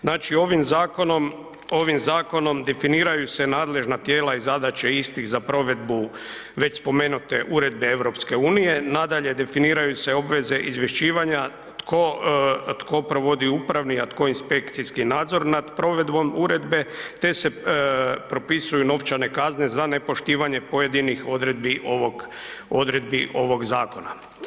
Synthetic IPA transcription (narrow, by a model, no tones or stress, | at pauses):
znaːt͡ʃio̞ʋimzaːko̞no̞m | o̞ʋimzaːko̞no̞md̪e̞finiːɾajuse̞naːd̪le̞ʒnat̪je̞ːlaizad̪at͡ɕeist̪ixzapɾo̞ʋe̞d̪bu | ʋe̞t͡ɕspo̞me̞nut̪e̞ʔuɾe̞d̪̚be̞e̞ʋɾo̞pske̞uːnije̞nad̪aʎe̞d̪e̞finiːɾajuse̞o̞bʋe̞ze̞ʔizʋje̞ʃt͡ʃiːʋaɲa | t̪kʰot̪ko̞pɾoʋo̞d̪iupɾaʋniat̪ko̞inspe̞kt̪siskinaːd̪zo̞ɾnad̪pɾo̞ʋe̞d̪bo̞muɾe̞d̪be̞t̪e̞se̞ | pɾo̞pisujuno̞ʋt͡ʃane̞kaznezane̞po̞ʃt̪iːʋaɲe̞po̞je̞d̪inixo̞d̪ɾe̞d̪̚biʔoʋoɡ | od̪ɾe̞d̪̚biʔo̞ʋo̞ɡzaːko̞na̰